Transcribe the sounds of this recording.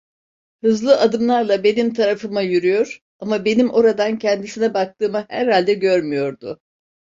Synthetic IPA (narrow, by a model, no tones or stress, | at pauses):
hɯzlˠɯʔad̪ɯmlˠaɾlˠabe̞nimt̪ʰaɾafɯmajyɾyjo̞ɾ̥ | amabe̞nimʔo̞ɾad̪ancʰɛnd̪isinɛbak̚t̪ʰɯːmahæ̰ɾhalʲd̪ɛɟø̞ɾmyjo̞ɾd̪ʊ